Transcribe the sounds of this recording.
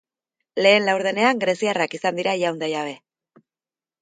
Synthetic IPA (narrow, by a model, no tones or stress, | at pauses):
le̞ːnlawɾð̞e̞ne̞aŋɡɾe̞siarakisand̪iɾaʝawnd̪ajaβ̞e̞